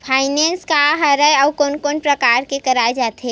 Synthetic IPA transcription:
pʰaɪnenskaɦəɾəjɔwkonkonpɾəkaɾkekəɾajd͡ʒat̪ʰe

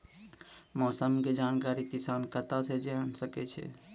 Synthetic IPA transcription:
mɔːsəmked͡ʒaːnkaːɾikisaːnkət̪ased͡ʒeənsəkɛt͡ʃʰɛ̰

